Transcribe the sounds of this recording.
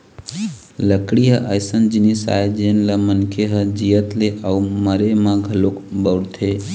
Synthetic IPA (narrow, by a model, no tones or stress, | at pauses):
ləkɽiɦəʔəjsənd͡ʒinisa̰jd͡ʒenləmənkʰeɦəd͡ʒijət̪leʔauməɾemãɡʱəlokbəwɽt̪ʰe